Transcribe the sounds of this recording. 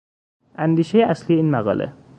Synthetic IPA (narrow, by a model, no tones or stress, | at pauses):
ænd̪iːʃejeʔæslijeinmaɣɒ̰ːlʔḛ